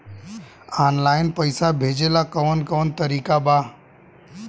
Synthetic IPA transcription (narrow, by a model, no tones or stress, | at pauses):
aːnlaːɪnpəɪsabʱeːd͡ʒeːlakəʋənkəʋənt̪əɾiːkabaː